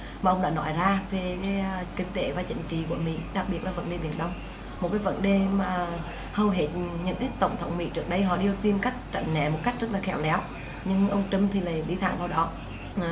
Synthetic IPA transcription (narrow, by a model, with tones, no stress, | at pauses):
mmaː˨˩ʔə˧wŋ͡mɗa̰ː˧˦nɔ˧˦jzaː˧ve˨˩keː˨˦˧kï˧ŋ̟t̪e˧˦vaː˨˩t͡ɕï˧˥ŋ̟t͡ɕḭ˧˨kṵ˧˩əmḭ˧˥ɗa˨˩k̚ɓi˨˩ət̚laː˨˩və̰˧˥nɗe˨˩ɓi˧˩ənɗə˧wŋ͡m | mo˨˩kaː˨˦jvə̰˧˦nɗe˨˩maː˨˩ | hə˨˧˩wɦe˨˥t̚ɲɨ̰˧˥ŋkaː˨˦jt̪ə̰˧˩wŋ͡mt̪ʰə˨˦wŋ͡mmḭ˧˥t͡ɕɨ˦˥ək̚ɗə˧jɦɔ̰˧˨ɗi˧ə˧t̪i˧mka˦˥jk̟̚t͡ɕa̰˧˩ŋnɛ̰˧˨mo˨˩t̚ka˦˥jk̚zə˦˥laː˨˩xɛ˧˩wlɛ˨˦w | ɲɨ˧ŋʔə˧wŋ͡mt͡ɕɨ˧mt̪ʰi˨˩la̰ː˨jɗḭ˧˦t̪ʰa̰ː˧˩ŋvaː˧wɗɔ˨˦˨